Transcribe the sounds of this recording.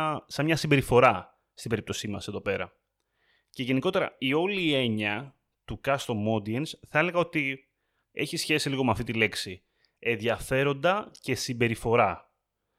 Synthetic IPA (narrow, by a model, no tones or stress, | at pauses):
sɐmɲɐsimbe̞ɾifo̞ɾɐ | st̪ibe̞ɾip̚t̪o̞simɐse̞ðo̞pe̞ɾɐ̰ | ce̞ʝe̞niko̞t̪e̞ɾɐ̰io̞liːe̞ɲɐ | t̪ukɐst̪o̞mo̞d̪iensθɐe̞le̞ɣɐo̞t̪i | e̞̰çisçe̞siliɣo̞meɐft̪it̪ile̞ksi | e̞nðʝɐfe̞ɾo̞nd̪ɐce̞simbe̞ɾifo̞ɾɐ